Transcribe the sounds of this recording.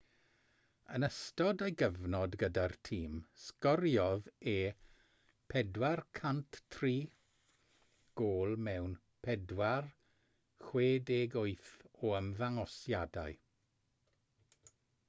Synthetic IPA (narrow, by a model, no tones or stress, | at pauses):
ənəstɔdəjɡəvnɔdɡədartʰiːmskɔrjɔðeː | pʰɛdwarkʰanttʰriː | ɡ̥oːlˠmɛwn | pʰɛdwar | χweːdeːɡʊɨθɔəmvaŋɔsjada̰ɨ